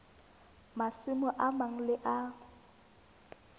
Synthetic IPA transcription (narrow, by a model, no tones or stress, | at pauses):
masɪmʊʔamaŋ̩lɪʔa